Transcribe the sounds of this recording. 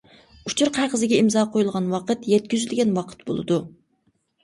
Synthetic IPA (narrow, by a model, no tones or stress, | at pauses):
ut͡ʃʰuɾqʰæqəzɪɡʲɛimzɑqʰojulˠʁɑnwɑqət̪jɛt̪̚kʲyzylɡʲɛnwɑqʰə̥t̪bo̰lˠɨ̰d̪u